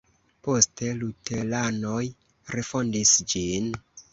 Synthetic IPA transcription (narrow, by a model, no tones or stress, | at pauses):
po̞ste̞lutelanoj | ɾefo̞ndisd͡ʒin